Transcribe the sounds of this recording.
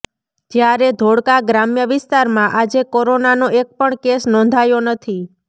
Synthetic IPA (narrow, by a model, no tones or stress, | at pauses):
d͡ʒjaɾed̪ʱoɽkaɡɾamjəʋɪst̪aɾmãʔad͡ʒekoɾonanoek̚pəɳkesnɔ̃nd̪ʱajonət̪ʰi